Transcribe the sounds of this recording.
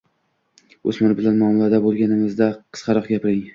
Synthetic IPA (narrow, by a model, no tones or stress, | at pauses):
ɵsmaɾbɪlanmɒːmɪlad̪abolˠɡʲanɪmɪzd̪aqʰɨ̥sqʰɑɾɒqɡʲapʰɪɾɪŋ